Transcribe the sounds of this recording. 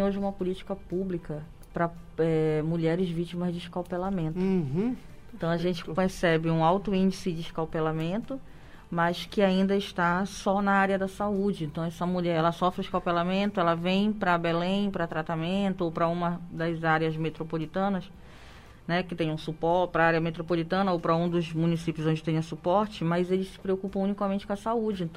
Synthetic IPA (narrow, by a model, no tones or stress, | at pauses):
ẽj̃oʒɪũmɐpʊlit͡ʃi̥kɐpublikɐ | pɾɐɛmuʎɛɾɪzvit͡ʃimɐzd͡ʒɪiʃkawpelamẽnt̪ʊ | ẽt̪ɐ̃w̃ɐʒẽnt͡ʃɪ̥pesɛbɪũawt̪ʊĩd͡ʒisɪd͡ʒɪʃkawpelamẽnt̪ʊ | mɐskɪaĩnd̪ɐɪʃt̪asɔnɐaɾiɐd̪ɐsaud͡ʒɪẽnt̪ɐ̃w̃ɛsɐmuʎɛɾɛlɐsɔfɾɪʃkawpelamẽnt̪ʊɛlɐvẽj̃pɾɐbelẽj̃pɾɐt̪ɾat̪amẽnt̪ʊowpɾɐũmɐd̪ɐzaɾiɐzmet̪ɾopolit̪ɐ̃nɐs | nɛkɪt̪ẽj̃ũsupɔɾpɾɐaɾjɐmet̪ɾopolit̪ɐ̃nɐowpɾɐũd̪ʊzmũnisipjʊzõd͡ʒɪt̪ẽj̃ɐsupɔɾt͡ʃɪmɐjzelɪsɪ̥pɾeokupɐ̃ũnikɐmẽnt͡ʃɪkõɐsaud͡ʒɪẽt̪ɐ̃